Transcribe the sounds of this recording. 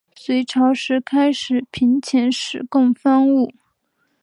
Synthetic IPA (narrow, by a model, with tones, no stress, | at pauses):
swe˧˥ɪʈ͡ʂʰɑ˧˥ʊʂɻ̩˧˥kʰa˥ɪʂɻ̩˨˩pʰi˧˥nt͡ɕʰjɛ˧˥nʂɻ̩˨˩kʊ˥˩˧ŋfa˥nu˥˩